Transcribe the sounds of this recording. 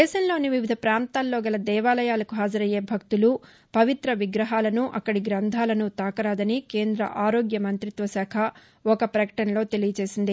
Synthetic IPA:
d̪ɛːʃɐmlo̞ːniʋiʋid̪ʱɐpɾaːnt̪aːlːo̞ːɡɐlɐd̪ɛːʋaːlɐjaːlɐkuɦaːd͡ʒɐɾɐje̞ːbʱɐk̚t̪ulu | pɐʋit̪ɾɐʋiɡɾɐɦaːlɐnuʔɐkːɐɽiɡɾɐnd̪ʱaːlɐnut̪aːkɐɾaːd̪ɐnike̞ːnd̪ɾɐ̰ʔaːɾoːɡjɐmɐnt̪ɾit̪ʋɐsaːkʰɐ | ɔkɐpɾɐkɐ̥ʈɐnɐlo̞ːt̪e̞lijɐt͡ʃe̞ːsind̪i

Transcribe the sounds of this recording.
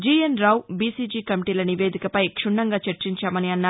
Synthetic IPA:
d͡ʒiːɐnɾɐwbiːsiːd͡ʒiːkɐmiʈiːlɐniʋe̞ːd̪ʱikɐpɐjkʂuɳːɐŋɡaːt͡ʃɐɾt͡ʃiɲt͡ʃaːmɐniɐnːaː

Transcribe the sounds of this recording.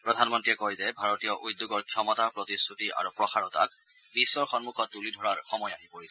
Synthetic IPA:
pɹɔdʱanmɔntɹiɛkɔjzɛbʱaɹɔtijɔʔud̪ːuɡɔɹkʰjɔmɔtapɹɔtistutiʔa̰ɹupɹɔxaɹɔta̰k̚ | bisːɔɹxɔnmuxɔt̚ːulidʱɔɹaɹxɔmɔjaɦipoɹisɛ

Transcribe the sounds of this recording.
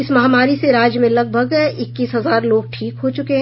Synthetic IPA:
ɪsmɐɦaːmaːɾiseɾaːd͡ʒjəmẽlɐɡ̚bʱəɡɪkːiːsɦɐzaːɾloːɡ̚ʈʰiːkɦot͡ʃʊkeɦɛ̃

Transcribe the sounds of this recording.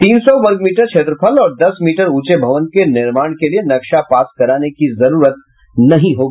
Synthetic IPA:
t̪iːnsɔʋɐɾɡmiːʈəɾt͡ʃʰeːt̪ɾəpʰəlɔːɾd̪ɐsmiːʈəɾuːt͡ʃebʱɐʋənkenɪɾmaːɽ̃kelienɐkʃapaːskɐɾaːnekizɐɾuːɾət̪̚ | nɐɦĩɦoːɡiiː

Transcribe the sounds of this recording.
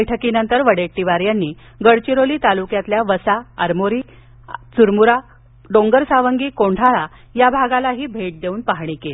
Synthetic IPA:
jʈʰəkiːnənt̪əɾʋəɽeʈʈːiʋaɾjanːiː | ɡəɽt͡ɕiɾoliːt̪alukjat̪ljaʋəsaəɾmoɾiː | t͡suɾmuɾa | ɖõŋɡəɾsaʋəŋɡiːkoɳʈʰaɭa | jabʱaɡalaɦiːbʱeʈ̚d̪euːnpaɦɳ̃ikel

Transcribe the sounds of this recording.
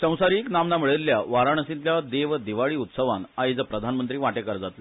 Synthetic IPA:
sə̃w̃saɾiːknamnamiɭelːjaʋaɾaɳəsĩnt̪ljad̪eʋd̪iʋaɭiːut̪səʋanaɦid͡zəpɾəd̪ʱanmənt̪ɾiːʋaʈekəɾd͡zat̪le

